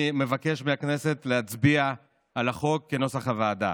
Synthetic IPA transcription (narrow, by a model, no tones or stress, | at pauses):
me̞vake̞ʃmeakne̞se̞tleat͡sbia | alaχo̞kːe̞no̞saχavaːd̪a̰